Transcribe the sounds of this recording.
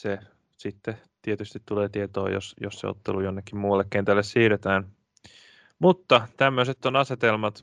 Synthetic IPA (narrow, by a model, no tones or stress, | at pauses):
se | sit̪ːe | t̪iet̪yst̪it̪ːuleːt̪iet̪o̰ːjo̰sjo̰ssḛo̰t̪ːelujonːekːimmuːɑlːekkent̪ælːessiːɾet̪æːn | mut̪ːɑt̪æmːøset̪ːonɑset̪elmɑt̪